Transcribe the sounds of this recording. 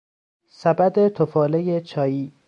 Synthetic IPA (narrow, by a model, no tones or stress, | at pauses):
sæbæd̪et̪ʰofɒːlejet͡ʃʰɒːjiː